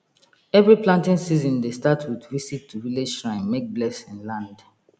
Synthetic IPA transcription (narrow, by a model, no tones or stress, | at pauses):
ɛvɹiplãntĩnsizɔ̃ndestatʰwidvisitʰːuviled͡ʒsɹãɪ̃nmek̚blɛsĩnlãnd